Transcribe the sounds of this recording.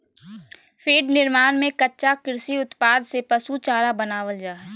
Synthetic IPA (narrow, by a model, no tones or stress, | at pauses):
fʰiːɖnɪɾmaːnmẽkɐtːʃakɪɾsiʊt̪paːd̪sepɐsut͡ʃaːɾabɐnaːʋəld͡ʒaː